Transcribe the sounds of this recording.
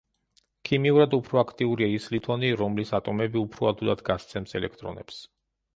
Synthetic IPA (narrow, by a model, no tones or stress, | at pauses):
kʰimiuɾad̪upʰɾɔakʰt̪ʼiuɾiaislit̪ʰʼɔniɾɔmlisat̪ʼɔmɛbiupʰɾɔad̪ulˠad̪ɡast̪sʰɛmsɛlɛkʰt̪ʼɾɔ̰nɛ̰ps